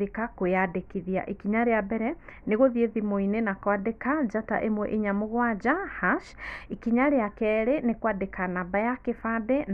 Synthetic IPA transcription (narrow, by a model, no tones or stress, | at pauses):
ikakojadekiðia̰ʔekiɲaɾejabɛɾɛneɣoðieðimoinenakwadekad͡ʒata̰ʔemwɛʔeɲamoɣwad͡ʒahaʃikiɲaɾejakɛɾenekwadekanabajakefaden